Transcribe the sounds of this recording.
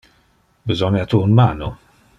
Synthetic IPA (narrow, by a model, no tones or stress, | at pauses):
bzɔnjat̪uːnmaːnu